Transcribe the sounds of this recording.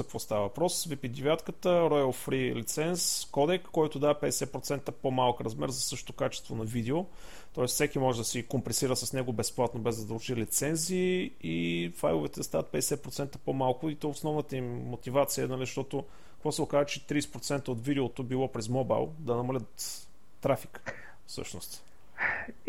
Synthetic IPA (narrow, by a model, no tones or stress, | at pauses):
zkvɔst̪avɐvɐpɾɔsvipid̪ivʲjat̪kət̪əɾɔjəlˠfɾilit̪sɛnskɔd̪ɛkːɔjt̪ʊd̪avɐpɛd̪ɛsɛpɾot̪sɛnt̪əpomalˠkɾɐzmɛ̰ɾzɐsɤʃt̪o̥t̪okat͡ʃɛ̥st̪vonɐvid̪ɛo | t̪ɔɛssɛkʲimɔʒɛd̪ɐsikompɛsiɾəsɐsnɛɡʊbɛsplˠat̪nobɛzd̪ɐd̪əlˠt͡ʃilit̪sɛnziːifajlˠʊvɛt̪ɛd̪ɐst̪avət̪̚pɛd̪ɛsɛtpɾot̪sɛnt̪ə̥pomalˠkʊit̪ɔʊsnɔvnət̪əimːot̪ivat̪sijənɐliʃt̪ɔt̪oʊ | kɐkvɔsɛʊkazət͡ʃɛt̪ɾisɛ̥pɾot̪sɛnt̪əot̪vid̪ɛot̪obilˠɔpɾɛzmoba̰jlˠd̪ɐnɐmɐlʲət̪ː | ɾafik | fsɤ̰ʃnost̪